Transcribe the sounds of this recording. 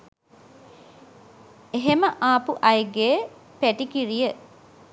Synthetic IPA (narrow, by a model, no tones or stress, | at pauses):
eɦeməʔaːpuʔɐjɡepæʈikiɾijə